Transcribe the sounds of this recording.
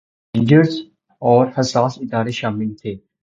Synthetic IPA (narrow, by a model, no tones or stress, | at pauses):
ɪ̃ɳd͡ʒəɾs | ɔːɾhəsaːsɪd̪aːɾeʃaːmɪlt̪ʰeː